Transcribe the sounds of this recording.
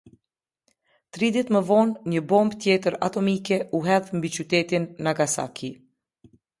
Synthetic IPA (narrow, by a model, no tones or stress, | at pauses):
t̪ɾid̪it̪məvɔnɲəbɔmbt̪jɛt̪əɾa̰t̪ɔmikɛuɦɛðmbit͡ʃyt̪ɛt̪inːaɡasa̰kʰi